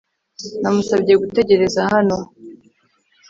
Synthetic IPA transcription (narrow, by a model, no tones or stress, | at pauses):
namusabɟe̞ɡute̞ɟe̞ɾe̞zaɦano̞